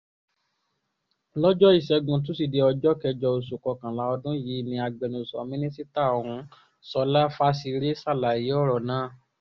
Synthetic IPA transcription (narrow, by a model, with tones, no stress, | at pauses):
lɔ˦d͡ʒɔ˦i˦˨ʃɛ˧ɡũ˧t̬ũ˨˦si˦˨de˧ɔ˧d͡ʒɔ˦kɛ˧d͡ʒɔ˧o˧˨su˨kɔ˨˧kã˨la˨˦ɔ˧dũ˦ji˨˦˨nĩ˧a˧ɡ͡bɛ˨nũ˨sɔ̰˨˦mĩ˦nĩ˦si˦ta˦˨o˨ɾ̃ũ˧ | sɔ˧la˦fa˦si˧ɾe˦sa˦˨la˨ji˨˦ɔ˦˨ɾɔ˨nãː˨˦˨